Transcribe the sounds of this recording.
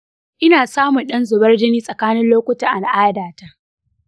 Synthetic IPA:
ʔɪ˦naː˨saː˦mʊ˨nɗɐ˦nzʊ˨bɐ˦rd͡ʒɪ˦niː˦sʼɐ˨kaː˦nɪ˦nloː˦kʷʊ˦ta˨ʔa˨nʔaː˦daː˨ta˦ʔ

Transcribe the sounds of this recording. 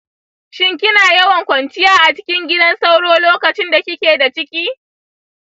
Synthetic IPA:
ʃɪ˦ŋkʲɪ˦naː˨jɐ˦wɐ˨ŋkʷɐ˨nt͡ʃɪ˦jaː˦ʔa˨t͡ʃɪ̥˦kʲɪ˦ŋɡʲɪ˦dɐ˦nsa˦wɽoː˦loː˦kɐ˨t͡ʃɪ˦nda˨kʲɪ˦kʲeː˨da˨t͡ʃɪ˦kʲiː˦

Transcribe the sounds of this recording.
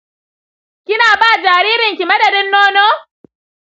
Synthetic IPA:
kʲɪ˦naː˨baː˦˨d͡ʒaː˨ɾiː˦ɾɪ˨ŋkʲi˨mɐ˦dɐ˨dɪ˦nːoː˦noː˦

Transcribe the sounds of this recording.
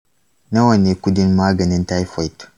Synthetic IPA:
nɐ˦wɐ˨ne˨ku˦di˦nmaː˦ɡɐ˨ni˦nta˦jfɔ˨jt

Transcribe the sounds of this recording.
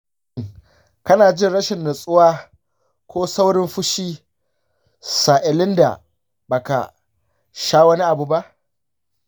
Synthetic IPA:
kɐ˦naː˨d͡ʒɪ˦nɽɐ˦ʃɪ˨nːʊ˨sʼʊ˦waː˦ | kʷoː˦sa˦wɽɪ˦mɸʊ˦ʃiː˦ | sa˨ʔɪ˨lɪ˦nda̰˨ | baː˨ka̰˨ | ʃaː˦wɐ˦ni˦ʔa˨bu˦ba˦ʔ

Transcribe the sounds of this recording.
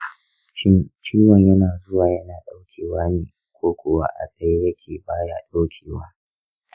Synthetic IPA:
t͡ʃiː˦wɔ˨ɲjɐ˦naː˨zʊ˦waː˨jɐ˦naː˨ɗa˦wkʲʰeː˨waː˦neː˨ | kʷoː˦kʷʊ˨wa̰ː˦ʔa̰˨sʼɐ˨je˦ɾɐ˦kʲʰeː˨baː˦ja̰ː˦ɗoː˦kʲʰeː˨waː˦

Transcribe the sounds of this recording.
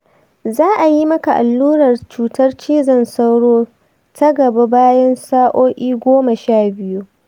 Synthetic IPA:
zaː˦ʔa˨ji˦mɐ˦ka˨ʔa˨lːuː˦ɽɐ˨rt͡ʃuː˨˦tɐ˦rt͡ʃeː˦zɐ˦˨nsɐ˦wɽoː˦ | tʰɐ˦ɡɐ˨ba˦baː˦jɐ˦nsaː˦ʔoː˦ʔʲiː˦ɡʷoː˦ma˨ʃaː˦˨bɪ˦ju˦ʔ

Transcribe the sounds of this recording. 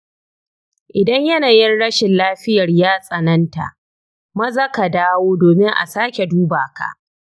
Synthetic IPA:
ʔɪ˨dɐ˦ɲjɐ˦naː˨jɪ˦nɽɐ˦ʃɪ˨nlaː˦ɸɪ˦jɐ˨rjaː˦sʼɐ˨nɐ˦nta̰˨ʔ | mɐ˦zɐ˦ka˨daː˦woː˦doː˨mɪ˦ŋʔa̰˨saː˦kʲe˨duː˦baː˨ka̰˨ʔ

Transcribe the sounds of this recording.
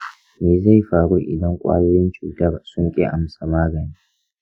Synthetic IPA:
meː˨za˦˨jɸaː˨ɽuː˦ʔɪ̰˨dɐ˦ŋkʷʼa̰ː˦joː˦jɪ˦nt͡ʃuː˨tɐ˦rsʊ˦ŋkʲʼḛ˦ʔa˨msa˨maː˦ɡɐ˨niː˦

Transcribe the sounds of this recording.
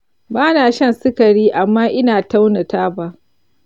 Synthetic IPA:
baː˦naː˨ʃɐ˦˨nsɪ˦kɐ˨ɽiː˦ʔa˨mːaː˦ʔɪ˦naː˨ta˦wna˨taː˦ba˦ʔ

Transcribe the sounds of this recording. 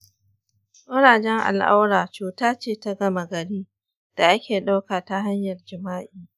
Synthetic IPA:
ʔʊ˦ɽaː˨d͡ʒɛ˦ŋʔa̰˨lʔa̰˦wɽaː˨t͡ʃuː˨taː˦t͡ʃeː˦˨ta˦ɡɐ˦ma˨ɡɐ˨ɽiː˦ | d̥a˨ʔa˦kʲeː˨ɗa˦wkaː˨ta˨ɦa˦ɲjɐ˨rd͡ʒɪ˨maː˦ʔiː˨

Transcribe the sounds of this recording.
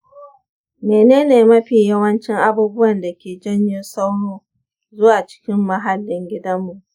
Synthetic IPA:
meː˨neː˦neː˨mɐ˦ɸiː˨jɐ˦wɐ˦nt͡ʃɪ˦ŋʔa˦buː˦bʊ˦wɐ˨nda˨kʲeː˨d͡ʒɐ˦ɲjɪ˦nsa˦wnoː˦ | zʊ˦waː˨t͡ʃɪ̥˦kʲɪ˦mːɐ˦ɦa˨lːɪ˦ŋɡʲɪ˦dɐ˦mːu˨ʔ

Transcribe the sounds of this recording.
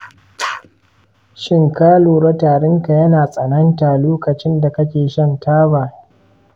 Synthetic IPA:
ʃɪ˦ŋkaː˦loː˨ɾɐ˦taː˨ɽɪ˦ŋka˨jɐ˦naː˨sʼɐ˨nɐ˦ntaː˨loː˦kɐ˨t͡ʃɪ˦nda˨kɐ˦kʲeː˨ʃɐ˦ntʰaː˦baː˨

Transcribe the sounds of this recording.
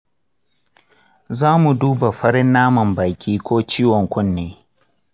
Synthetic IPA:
zaː˦mu˨duː˦ba˨ɸɐ˦ɽɪ˦nːaː˦mɐ˨mba˨jkʲiː˦kʷoː˦t͡ʃiː˦wɔ˨ŋkʷʊ˦nːeː˦

